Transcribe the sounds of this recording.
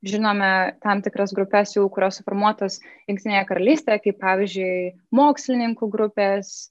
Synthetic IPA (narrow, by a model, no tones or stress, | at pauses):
ʒʲɪnoːmʲɛt̪ɐmt̪ʲɪkɾɐsɡɾʊpʲɛsjɛʊkʊɾʲoːssfoːɾmuɔt̪oːsjʊŋkt̪ʲɪnʲeːjɛkɐɾɐlʲiːsʲt̪ʲejɛkɐɪppɑːʋʲizʲd͡ʒʲʊɪ | moːksʲlʲɪnʲɪŋkuːɡɾʊpʲeːs